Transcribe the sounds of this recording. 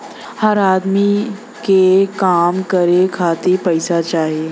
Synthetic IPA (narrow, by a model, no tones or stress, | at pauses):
həɾaːd̪mi | kekaːmkəɾekʰaːt̪ipɐɪsat͡ʃaːɦieː